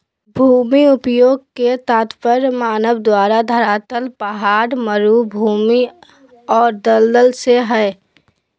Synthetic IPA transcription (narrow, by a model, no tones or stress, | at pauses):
bʱuːmiʊpjoːɡ̚ket̪aːt̪pəɾmaːnəʋd̪waːɾad̪ʱəɾaːt̪əlpəɦaːɾməɾuːbʱuːmi | ɔːɾd̪əld̪əlseɦɛː